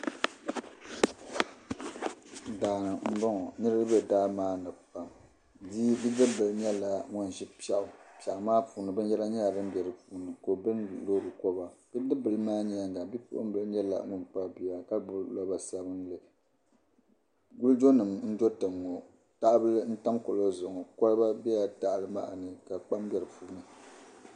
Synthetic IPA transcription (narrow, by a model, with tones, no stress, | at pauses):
daː˨n˨m̩˦bɔ˦ŋɔ˨nɨ˦ɾɨ˦bɨ˦daː˦maː˦nɨ˨pa˨m | diː˦bi˦dɨ˦bɨ˨lɲɛ˦la˨ŋɔ˦n˨ʒi˦pa˦˨ʔʊ˨pja˨ʔmaː˦pu˨nɨ˨bɨ˦n˦jɛ˦la˦ɲɛ˦a˨dɨ˦m˦bɛ˨ɾɨ˨pu˨nɨ˨ko˨bɨ˦nlo˦˨ɾɨ˨kɔ˦ba˨b̥i˦dɨ˦bɨ˨lɨ˦maː˦ɲi˦a˦ŋɡa˨bi˦pu˦ʔʊ̰˦m˦bɨ˨lɨ˦ɲɛ˦la̰˨nu˦mk͡pa˦bi˨ja˨ka˦bʊ˦lɔ˦ba˨sa˦bɨ˦nlɨ˨ | ɡu˦ld͡ʒo˦nɨ˨mn̩˦d͡ʒo˦tɨ˨ŋːo˨ | ta˦ʔbɨ˦lɨ˦n̩˦ta˦mko˨lo˦zʊ˨ŋɔ˨kɔ˦lba˦bɛ˦ja˨ta˦˨ʔlɨ˦ma̰˦ʔnɨ˨ka˨k͡pa˦m˦bɛ˨ɾɨ˨puː˨˦nɨ˨